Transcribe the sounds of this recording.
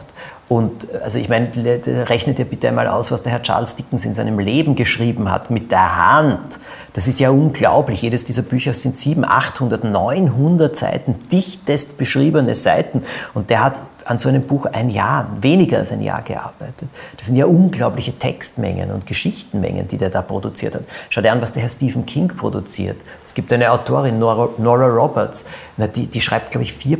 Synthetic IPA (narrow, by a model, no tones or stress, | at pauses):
tʔʊntʔalzoɪçmæɪndʁɛçnətjaːbɪtəæ̰ɪnmaːlʔa̰ʊsvasd̥eɐɦɛɐt͡ʃa̰ːɐlsd̥ɪkŋ̩sɪ̰nzæɪnəmleːbm̩ɡəʃʁ̥iːbm̩ha̰tmɪt̚d̥eːɐha̰nt | d̥asɪstjaːʔʊnɡlaʊplɪçjeːdəsd̥iːzɐbyːçɐz̥ɪntz̥iːbm̩ʔa̰xthʊndɐtnɔʏnɦʊndɐtz̥a̰ɪtn̩d̥ɪçtəstb̥əʃʁiːbənəzaɪtn̩ʊnt̚d̥eːɐhat | ʔanzoʔɛɪnəmbuːxʔa̰ɪnja̰ːɐveːnɪɡɐa̰lsæ̰ɪnja̰ːɐɡ̥ə̰ʔa̰ɐb̥æɪtʰətd̥asːɪntjaːʔʊnɡlaʊplɪçətʰɛ̰kstmɛ̰ŋə̰nʊ̰ntɡ̥əʃɪçtn̩mɛ̰ŋə̰nd̥ḭːdeːɐdaːpʁ̥odʊt͡siːɐthatʃaʊdeɐanvasd̥eːɐɦɛɐstiːvn̩kʰɪŋpʁ̥o̰dṵt͡sḭːɐt | ɛsɡ̥iːptʔæɪnəaʊtʰoːɐʁɪnnɔʁaʁɔbɛts | nad̥iːd̥iːʃʁ̥aɪpt̚ɡ̥laʊbəɪçfiːɐ